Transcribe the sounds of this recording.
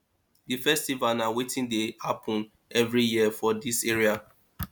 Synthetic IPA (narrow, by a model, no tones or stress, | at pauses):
difɛstivalnawetĩndehapʰɔ̃n | ɛvɹijiəfɔdiseɹia